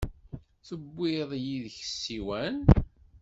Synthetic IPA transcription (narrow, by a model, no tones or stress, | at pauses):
θəbːiðˤjiðəçə̥sːiwæn